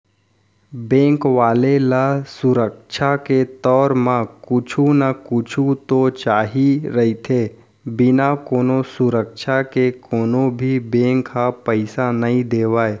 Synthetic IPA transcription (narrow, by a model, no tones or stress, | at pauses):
bẽːŋkʋaːlelasʊɾəkʃʰaket̪ɔːɾmãkʊt͡ʃʰunakʊt͡ʃʰut̪ot͡ʃaːɦiɾəɦit̪ʰeː | bɪnakoːnosʊɾəkʃʰakekoːnobʱibẽːŋkapəɪsanəɦĩd̪eːʋaːe